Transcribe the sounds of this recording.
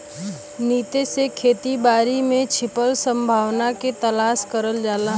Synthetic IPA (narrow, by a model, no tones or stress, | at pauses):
niːt̪esekʰeːt̪ibaːɾimẽt͡ʃʰɪpəlsə̃mbʱaːʋnaket̪əlaːʃkəɾəld͡ʒaːla